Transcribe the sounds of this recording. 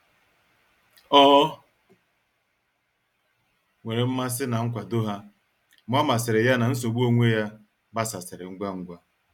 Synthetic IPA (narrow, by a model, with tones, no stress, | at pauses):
ɔ˦ | ŋʷe˨ɾe˨m̩˦ma˦s̬ɪ˦na˨ŋ̩˦kʷa˨do˦ɦa˦ | m˦ɔ˦ma˨sɪ˨ɾɪ˨ja˦na˨n̩˦s̬o˨ɡ͡bu˦o˦ŋʷe˦ja˦ | ba˦sa˨sɪ˨ɾɪ˨ŋ̩˦ɡʷa˦ŋ̩˦ɡʷa˦